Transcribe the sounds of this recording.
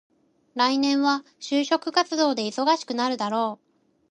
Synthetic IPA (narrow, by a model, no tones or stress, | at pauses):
ɾainẽ̞ɰ̃βa | ɕɨːɕo̞kɯ̟kat͡sɨd̪o̞ːd̪e̞iso̞ɡaɕi̥kɯ̟naɾɯ̟d̪aɾo̞ː